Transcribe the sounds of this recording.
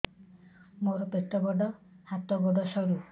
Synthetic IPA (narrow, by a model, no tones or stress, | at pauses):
moɾɔpet̪ɔbɔɖɔ | hat̪ɔbɔɖɔsɔɾu